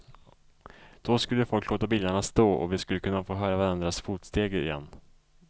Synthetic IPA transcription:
d̪̥ɔskɵlːəfɔlkʰːloːt̪abiːld̪aɳast̪oːʔɔ̰vɪskɵlːəkɵnːafoːɦœːɾavaɾand̪ɾasfuːt̪st̪eːɡɪ̰jɛ̰nː

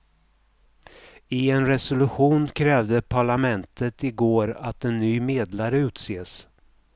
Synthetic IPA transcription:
ɪɛnɾɛsʊlɵɧuːnkʰɾɛːvd̪əpʰaɭamɛnt̪ʰət̪ɪɡoːɾat̪ɛnːyːmeːd̪laɾəʉ̟ːt̪seːs

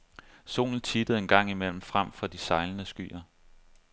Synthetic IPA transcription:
so̝̰ːln̩t͡sʰid̥əð̩ˠe̝nɡ̥ɑ̈ŋ̰imel̰m̩fʁam̰fɒ̽d̥isɑ̈ɪlənəsɡ̥y̰ːɐ

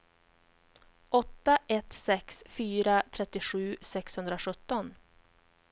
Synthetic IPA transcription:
ʔɔt̪ːaʔɛt̪sɛksfyːɾat̪ʰɾɛt̪ːɪɧʉ̟ːsɛkshɵnd̪ɾaɧɵt̪ːɔn

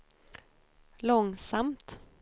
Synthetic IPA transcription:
lɔŋsamt̪

